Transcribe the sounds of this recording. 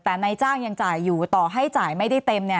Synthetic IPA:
t̪ɛː˨˩na˧jt͡ɕaː˥˩ŋja˧ŋt͡ɕaː˨˩jːuː˨˩t̪ɔː˨˩ɦa˥˩jt͡ɕaː˨˩jma˥˩jda˥˩jt̪e˧mni˥˩

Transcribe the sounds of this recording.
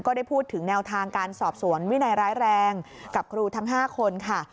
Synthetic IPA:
kɔː˥˩daː˥˩jpʰuː˥˩t̪ʰːɯ˩˦ŋnɛː˧wt̪ʰaː˧ŋkaː˧nsɔː˨˩p̚su˩˦ənwi˥˩na˧jɾaː˦˥jɾɛː˧ŋka˨˩p̚kʰɾuː˧t̪ʰa˦˥ŋɦaː˥˩kʰo˧nkʰa˥˩

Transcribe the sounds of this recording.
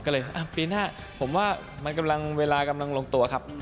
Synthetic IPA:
kɔː˥˩lɤː˧jʔa˧˩piː˧naː˥˩ | pʰo˩˦mwaː˥˩ | ma˧nka˧mla˧ŋweː˧laː˧ka˧mla˧ŋloː˧ŋt̪u˧ɐkʰa˦˥p̚

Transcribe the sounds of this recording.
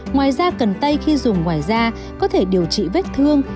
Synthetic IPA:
ŋwaː˨˩jzaː˧kə˨˩nt̪ə˧jxi˧zʊ˨˩ŋ͡mŋwaː˨˩jzaː˧ | kɔ˨˦t̪ʰe˧˩ɗi˨˩əwt͡ɕḭ˧˨ve˦˥t̚t̪ʰɨ˧əŋ

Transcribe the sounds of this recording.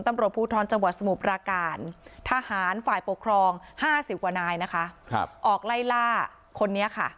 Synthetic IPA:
nt̪a˧˨mɾu˨˩t̪̚pʰuː˥˩t̪ʰɔː˧˥nt͡ɕa˧ŋwt̪̚sa˧mu˨˩p̚ɾaː˧kaː˧˩nt̪ʰaː˧haː˨˩˦nfaː˨˩jpo˨˩kʰɾɔː˧ŋhaː˥˩si˨˩p̚kwaː˨˩naː˧jna˦˥kʰa˦˥˧ʔɔː˨˩k̚la˥˩jlaː˥˩ | kʰo˧nːi˦˥ɐkʰa˥˩

